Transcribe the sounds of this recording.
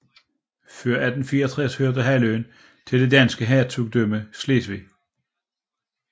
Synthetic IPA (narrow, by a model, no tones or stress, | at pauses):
føɐ̰æd̥n̩fiːɐɒt͡sʰʁɛshøɐ̰d̥əɦæløn | t͡sʰe̝ld̥e̝d̥æn̰sɡ̥əɦæɐt͡sʰuɡ̥̚d̥øməsle̝̰ːsʋi